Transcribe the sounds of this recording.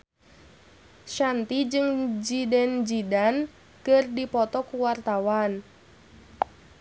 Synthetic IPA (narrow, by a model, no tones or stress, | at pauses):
ʃant̪id͡ʒɨŋd͡ʒidɛnd͡ʒidan | kɨrdipɔt̪ɔkuwart̪awan